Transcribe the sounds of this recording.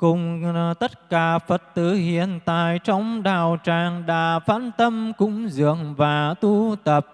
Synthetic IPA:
kʊ˨˩ŋ͡mt̪ə˦˥t̚kaː˧˩fə˨˩t̚t̪ɨ˧˩hḭ˧˨ənt̪a̰ː˧˨jt͡ɕɔ˧wŋ͡mɗaː˨˩wt͡ɕaː˧˨˩ŋɗa̰ː˧˥faː˧˥nt̪ə˧mkʊ̰˧˥ŋ͡mzɨ̰˧˨əŋvaː˨˩t̪u˧t̪ə˨˩p̚

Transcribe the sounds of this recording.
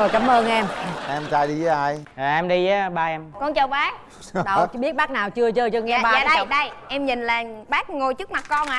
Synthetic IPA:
ə˧˩jka˨˦mʔəː˧nʔɛ˧mɛ˧mt͡ɕaː˧jɗi˧zə˨˦ʔa˧˩jʔɛ˧mɗi˧˨˦ɓaː˧ʔɛ˧mkɔ˧nt͡ɕə˧˩wɓaː˦˥ | ɗə˨˩ɓi˦˥ət̚ɓaː˦˥k̚naː˨˩wt͡ɕɨ˧ət͡ɕəː˧t͡ɕɨ˧ŋɛ˧˦˨aː˧aː˨ə˧˨ɗə˧jʔɛ˧mɲi˨˩nlaː˨˩ŋɓaː˦˥k̚ŋo˧jt͡ɕɨ˦˥k̚ma˨˩t̚kɔ˧nʔa˨

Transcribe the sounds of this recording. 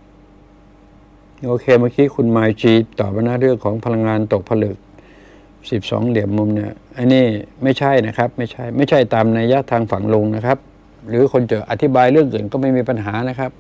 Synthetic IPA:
ʔoː˧kʰeː˧ma˥ə˩kʰiː˦˥˩kʰu˧nmaː˧jt͡ɕiː˧t̪ɔː˨˩p̚ːa˧naː˦˥˩ɾɯ˥˩əŋkʰɔː˩˦ŋpʰa˧la˧ŋːaː˧nt̪o˨˩k̚pʰa˧lɯ˨˩k̚ | si˨˩p̚sɔ̰ː˩˦ŋli˨˩˦əmːu˧mni˦˥˩ɐʔa˧niː˥˩ma˥˩jt͡ɕʰa˥˩jna˦˥kʰa˦˥p̚ma˥˩jt͡ɕʰa˥˩jma˥˩jt͡ɕʰa˥˩jt̪aː˧mnaː˧ja˦˥˩t̪ʰaː˧ŋfa˨˩ŋlo˧ŋna˦˥kʰa˦˥p̚ | ɾɯː˩˦kʰo˧nt͡ɕɤː˨˩ʔa˨t̪ʰːi˦˥baː˧jɾɯ˥˩əŋʔɯː˨˩nkɔː˥˩ma˥˩jmiː˧pa˧nɦaː˩˦na˦˥kʰa˦˥p̚

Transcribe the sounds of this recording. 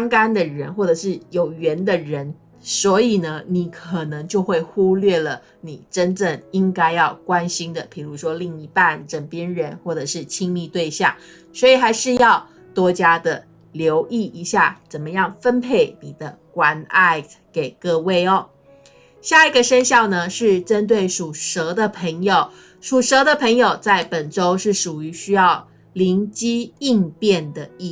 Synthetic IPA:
ŋka˥nd̪ə˨ɻə˧˥nxwɔ˥˩ʈ͡ʂɤ˨˩ʂɻ̩˥˩jo˨˩ʊɥɛ˨˧˥nd̪ə˨ɻə˧˦n | swɔ˧˥i˨˩nə˦ni˨˩kʰə˨˩nɤ˧˦ŋt͡ɕjo˥˧ʊxwe˥˩ɪxu˥lɥɛ˥˩lə˩ | ni˨˩ʈ͡ʂə˦˥nʈ͡ʂə˥˩ŋi˦ŋka˥ɪjɑ˥˩ʊkwa˦nɕi˥ŋd̪ə˨pʰi˨˩ɻu˧˥ʂwɔ˥li˥˩ŋi˧˥˩pa˥˧nʈ͡ʂə˨˩ŋpjɛ˥nɻə˧˦nxwɔ˥˩ʈ͡ʂɤ˨˩ʂɻ̩˥˩t͡ɕʰi˥ŋmi˥˧t̪we˥˧ɪɕjɑ̰˥˩ŋ | swɔ˧˥i˨˩xa˧˥ɪʂɻ̩˥˧jɑ˥˩ʊ | t̪wɔ˥t͡ɕja˥d̪ə˨˩ | ljo˧˥ʊʔi˥˩i˧˥ɕja̰˥˩t͡sə˨˩nmə˦jɑ˥˩ŋfə˥npʰe˥˩ɪni˨˩d̪ə˦kwa˧˥na˥˩ɪke˨˩ɪkɤ˥˧we˥˩ɪɔ˦ | ɕja˥˩i˧˥ɡə˨ʂə˥nɕjɑ˥˩ʊnə˨ʂɻ̩˥˩ʈ͡ʂə˦˥nt̪we˥˩ɪʂu˨˩ʂɤ˧˥d̪ə˨pʰə˧˥ŋjo˨˧ʊ | ʂu˨˩ʂɤ˧˥d̪ə˨pʰə˧˥ŋjo˨ʊt͡sa˥˩ɪpə˨˩nʈ͡ʂo˥ʊʂɻ̩˥˩ʂu˨˩y˧˥ɕy˥jɑ˥˩ʊ | li˧˥nt͡ɕi˥i˥˧ŋpjɛ˥˩nd̪ə˩i˥˧˩

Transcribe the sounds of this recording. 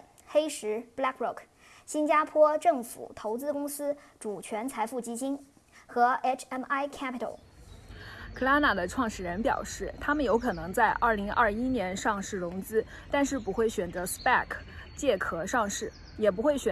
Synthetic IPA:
xe˥ɪʂɻ̩˧˥pla˥kɹʊ˥˩k | ɕi˥nt͡ɕja˥pʰwɔ˥ʈ͡ʂɤ˥˩ŋfṵ˨˩t̪ʰo˧˥ʊt͡sɹ̩˥kʊ˥ŋsɹ̩˥ | ʈ͡ʂu˨˩t͡ɕʰɥɛ˧˥nt͡sʰa˧˥ɪfu˥˩t͡ɕi˥t͡ɕi˥n | xɤ˧˥e˥˩t͡ʃʰɛ˥ma˥˩ɪkʰa˥pi˧t̪ʰə̰˧˩l | kʰɤ˥˩la˥na˨˩d̪ə˦ʈ͡ʂʰwɑ˥˧ŋʂɻ̩˥˩ɻə˧˥npjɑ̰˨˩ʊʂɻ̩˥˩t̪ʰa˥mə˨njo˧˥ʊkʰɤ˨˩nɤ˧˥ŋt͡sa˥˧ɪʔɐ˞˥˩li˧˥ŋʔɐ˥˩i˥njɛ˧˥nʂɑ˥˧ŋʂɻ̩˥˩ɻʊ˧˥ŋt͡sɹ̩˥ | t̪a˥˧nʂɻ̩˥˩pu˧˥xwe˥˩ɪɕɥɛ˨˩nt͡sɤ˧˥spa˥˩kʰ | t͡ɕjɛ˥˩kʰɤ˨˩ʂɑ˥˧ŋʂɻ̩˥˩ | jɛ˨˩p̬u˧˥xwe˥˩ɪɕɥɛ˨

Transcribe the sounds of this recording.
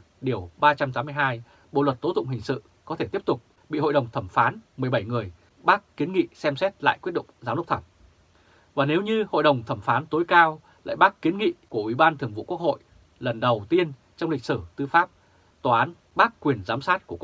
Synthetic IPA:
ɗi˨˩əwɓaː˧t͡ɕa˧mt̪aː˨˦mɨ˧ə˧jɦaː˧j | ɓo̰˧˨lwə˨˩t̚t̪o˨˦˥t̪ʊ̰˧˨ŋ͡mhï˨˩ŋ̟sɨ̰˧˨ | kɔ˨˦e˧t̪i˦˥əp̚t̪ʊ˨˩k͡p̚ | ɓḭ˧˨ho̰˧˨jɗə˨˩wŋ͡mt̪ʰə˧˩mfaː˨˦nmɨ˨˩əjɓə˧˩jŋɨ˨˩əj | ɓaː˦˥kkːi˨˦nŋḭ˧˨sɛ˧msɛ˦˥t̚la̰ː˧˨jkwt̚ɗʊ̰˧˨ŋ͡mzaː˨˦mɗə˦˥k͡p̚t̪ʰə˧˩ŋ͡m | vaː˨˩ne˨˦wɲɨ˧ho̰˧˨jɗə˨˩wŋ͡mt̪ʰə˧˩mfaː˨˦nt̪o˨˦jkaː˧w | la̰ː˧˨jɓaː˦˥kkːi˨˦ənŋḭ˧˨ku˧˩əʔwi˧˩ɓaː˧nt̪ʰɨ˨˩əŋvṵ˧˨ku˦˥ək̚ho̰˧˨j | lə˨˩nɗə˨˩wt̪i˧ən | t͡ɕɔ˧wŋ͡mli˨˩k̚sɨ˧˩t̪ɨ˧faː˦˥p̚ | t̪waː˨˩ʔaː˨˦n | ɓaː˦˥kkːwi˨˩ənzaː˨˦msaː˦˥t̚ku˧˩k

